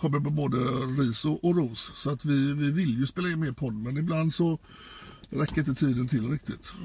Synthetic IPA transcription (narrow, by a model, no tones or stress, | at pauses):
kʰɔmːəɾmɛboːd̪əɾiːsʊʔɔɾuːssɔat̪vɪvɪvɪljɵspeːlaɪnːmeːɾpʰɔd̪ːmɛnɪbland̪sɔ | ɾɛkːəɾɪnt̪ət̪ʰiːd̪ənt̪ʰɪlɾɪk̚t̪ɪt̪